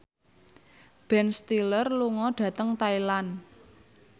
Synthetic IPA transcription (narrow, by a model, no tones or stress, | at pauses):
b̥ɛnst̪ilərluŋɔɖ̥ä̤t̪əŋt̪ailan